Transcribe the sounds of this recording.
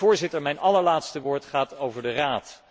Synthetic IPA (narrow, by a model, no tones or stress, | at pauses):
ʊːɹzɪtəɹmɛjnʔɑləɹlaːtstəʋoːɹtχaːtowvəɹdəraːt